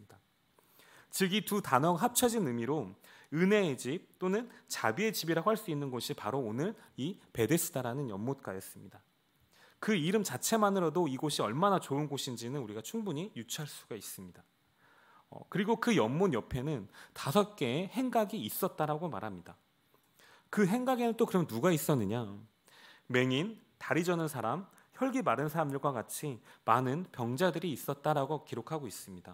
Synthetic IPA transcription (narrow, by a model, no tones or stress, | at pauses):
ida | t͡ɕɯɡitutanʌɡaɦap̚t͡ɕʰʌd͡ʑinɯmiɾo | ɯne̞d͡ʑip̚t͈onɯnt͡ɕabie̞t͡ɕibiɾaɦwaɭs͈uinːɯnɡʌɕʰipaɾoːnɯɭipe̞de̞sʰɯdaɾanɯnjʌmːot̚k͈ajʌs͈ɯmɲida | kɯiɾɯmt͡ɕat͡ɕʰe̞manɯɾʌdoiɡoɕʰiʌɭmanat͡ɕoɯnɡoɕʰind͡ʑinɯnuɾiɡat͡ɕʰuŋbuɲijut͡ɕʰiɦaɭs͈u̥ɡais͈ɯmɲida | ʌ̰kɯɾiɡokɯjʌmːunjʌpʰe̞nɯntasʰʌt̚k͈e̞ːhe̞ŋɡaɡiːs͈ʌt̚t͈aɾaɡoma̰ɾɦamɲida | kɯɦe̞ŋɡaɡe̞nɯnt͈okɯɾʌmjʌnuɡais͈ʌnːɯɲa | me̞ŋin | taɾid͡ʑʌnɯnsʰaɾam | çjʌɭɡimaɾɯnsʰaɾamdɯɭɡwakat͡ɕʰimanɯnpjʌŋd͡ʑadɯɾiːs͈ʌt̚t͈aɾaɡokiɾokʰaɡois͈ɯmɲida